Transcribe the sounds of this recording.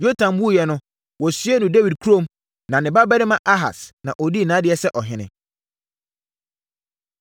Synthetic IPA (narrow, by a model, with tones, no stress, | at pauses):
jo˦tʰã˨mbu˦˨jɛ˨nʊ̃˦ | wɔ˨sɥɛ˦nʊ̃˨de˦wi˨d̚kʰu˦ɾõ˦m | nã˨nɪ̃˨ba˦bɛ˦nɪ̃˦mã˨ʔa˦ɦa̰˨snã˨ʔɔ˨di˦˨nãː˨˦dɪ˨˦ɛ˦sɛ˦ʔɔ˨ɦɪ̃˨nɪ̰̃˨